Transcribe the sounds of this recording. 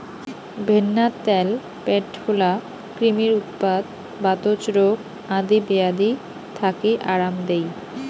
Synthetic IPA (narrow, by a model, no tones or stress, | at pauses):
bʱenːat̪ɛl | peʈfʰula | kɾimiɾut̪̚pad̪ | bat̪ot͡ɕɾok | ãd̪ibead̪i | t̪ʰakiʔaɾamd̪ej